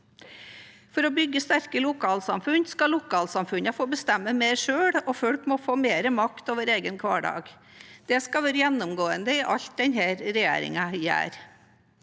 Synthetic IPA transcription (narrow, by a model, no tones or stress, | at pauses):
fɔɾɔbʏɡːəst̪æɾkəlʊkʰɑːlsɑmfʉnskɑlʊkʰɑːlsɑmfʉnəfoːbəst̪ɛmːəmeːɾʂøːɽɔfɔɽkmɔfoːmeːɾəmɑkt̪oːʋəɾeːɡənkʰʋɑːɖɑ̰ːɡd̪̥ɛskɑʋæːɾəjɛnːʊmɡoːənd̪əɪʔɑ̰ʎt̪̚d̪ɛnɦæːɾɾɛjḛːɾɪ̰ŋɑjæ̰ːɾ